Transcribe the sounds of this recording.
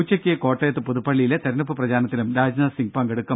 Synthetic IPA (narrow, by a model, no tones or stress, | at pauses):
t͡ɕːɐkʲːeko̞ːʈːɐjɐt̪ːɨpuðupːɐɭːijilet̪ɐɾɐnupːɨprɐd͡ʑaːnɐt̪ːilumɾaːd͡ʑnɐsiŋɡ̚pɐŋɡeɽukːɐ